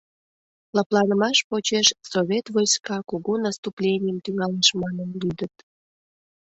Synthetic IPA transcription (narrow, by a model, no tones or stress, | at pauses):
lɑplˠɑnəmɑʃpot͡ɕeʃsoβʲet̪vojskɑkoɣonɑst̪uplʲenʲɪjəmt̪yŋɑleʃmɑnənlyd̪ət̪̚